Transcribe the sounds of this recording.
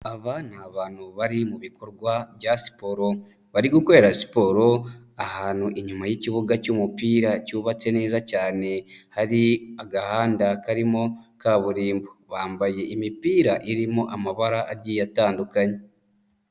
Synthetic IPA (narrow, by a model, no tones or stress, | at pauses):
aβaːnaβaːn̤̥huβaɾimuβiko̞ɾɡwaβjasi̥po̞ɾo̞ | βaɾiɡukwoeɾasi̥po̞ɾo̞ | ahaːnhuʔiɲumajeciβuɡacuːmupiːɾacuːβat͡se̞ne̞ːzacaːne̞haɾiaɡahaːndakaɾimo̞kaβuɾiːmboβaːmbaje̞ʔimipiːɾaʔiɾimo̞ʔamaβaɾaʔaɟijataːndukaɲe